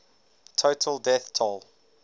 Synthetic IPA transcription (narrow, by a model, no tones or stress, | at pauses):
tʰoʊtʰəlˠdɛθtʰɔlˠ